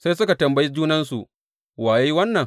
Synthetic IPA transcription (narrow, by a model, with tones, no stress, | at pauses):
sa˦jsʊ˦ka˨tɐ˨mbɐ˦ji˦d͡ʒuː˦nɐ˦nsṵ˨ʔ | waː˨ji˦wɐ˦nːɐ˨ŋ